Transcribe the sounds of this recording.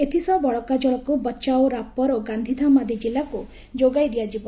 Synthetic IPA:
et̪ʰisɔbɔɭɔkad͡ʒɔɭɔkubɔːt͡ʃawɾapɔɾoɡand̪ʱid̪ʱamad̪id͡ʒilaku | d͡ʒoɡajd̪ijad͡ʒibɔ

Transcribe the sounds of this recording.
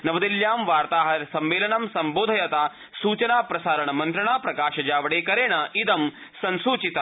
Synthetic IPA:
nɐʋɐd̪iljaːmʋaːɾt̪aːɦɐɾsɐmʋeːlɐnɐmsɐmboːd̪ʱɐjɐt̪aː | suːt͡ʃɐnaːpɾɐsaːɾɐɳɐmɐnt̪ɾɐɳaːpɾɐkaːʃɐd͡ʒaːʋɐɽeːkɐɾeːɳɐid̪ɐm | sɐnsuːt͡ʃit̪ɐ

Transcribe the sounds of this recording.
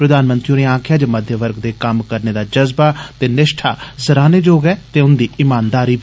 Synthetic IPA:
pɾəd̪aːnmənt̪ɾiuneːãːkʰjaːd͡ʒməd̪ʱjəʋəɾɡd̪eːkəmkəɾneːd̪aːd͡ʒəzbaːt̪eːnɪʃʈʰaːsəɾaːneːd͡ʒoːɡɛːt̪eːʊnd̪iːɪmãːnd̪aːɾiː

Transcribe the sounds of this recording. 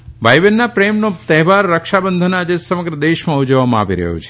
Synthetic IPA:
ʋajʋenːapɾemnot̪ɛɦʋaɾːəkʃabənd̪ʱənad͡ʒesəməɡɾəd̪eʃmãud͡ʒəʋːamãa̰ʋiɾə̰ɦjo̰t͡ʃʰe̥

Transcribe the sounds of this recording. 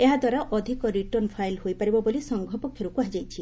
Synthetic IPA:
eɦad̪waɾaʔɔd̪ʱikɔɾiʈɔrnpʰajlhojpaɾibɔbolisɔŋɡʱɔpokʰjɔɾukuɦad͡ʒajt͡ʃʰi

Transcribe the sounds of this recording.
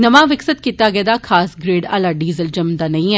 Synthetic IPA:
nəmaːʋɪksət̪kiːt̪aːɡɛːd̪aːkʰaːsɡɾeːɖa̰ːlaːɖiːzəld͡ʒəmd̪aːnə̃ĩːɛː

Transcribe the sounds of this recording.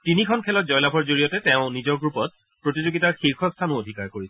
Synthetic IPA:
tinikʰɔnkʰɛlɔt̚zɔjlabʱɔɹzoɹijɔtɛtɛʊ̃nizɔɹɡɹupɔt̚ | pɹotizoɡitaɹxiɹkʰɔstʰanuodʱikaɹkoɹisɛ

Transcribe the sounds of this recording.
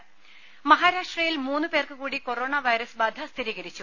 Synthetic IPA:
mɐɦaːɾaːʂʈrɐjilmuːnːɨpeːrkɨkuːɽiko̞roːɳɐʋɐjɾɐsbɐd̪ʱɐst̪ʰiɾiːɣɐɾit͡ɕːu

